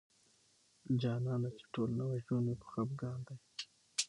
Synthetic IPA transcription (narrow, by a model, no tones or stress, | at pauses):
d͡ʒɑnɑnat͡ʃe̥ʈʰolnawaʒonopə̥xabɡɑnd̪aj